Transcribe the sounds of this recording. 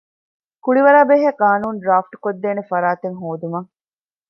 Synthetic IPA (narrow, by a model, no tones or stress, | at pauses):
kuɭiʋɐɾaːbeɦekaːnuːnɖɾaːfʈkod̪ːeːnefɐɾaːt̪eŋɦoːd̪umɐŋ